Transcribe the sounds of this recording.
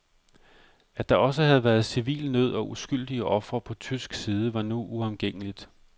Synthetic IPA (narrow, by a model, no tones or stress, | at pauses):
ædd̥ɑ̈ɒ̽səhæð̞̩ˠʋæːɐð̞̩ˠsiʋḭːlnøð̞̰ˠɒ̽ʔusɡ̥yl̰d̥iəʔɒ̽fʁɐpʰɒ̽t͡sʰysɡ̥siːð̞ˠəʋɑ̈nuʔuɒmɡ̥eŋ̰əlid̥